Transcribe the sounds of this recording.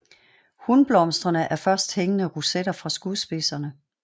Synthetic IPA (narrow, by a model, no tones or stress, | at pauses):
hunb̥lɒ̽msd̥ʁɐnəʔæɐfɶɐsd̥heŋənəʁused̥ɐfʁɑ̈sɡ̥uðˠsb̥e̝sɐnə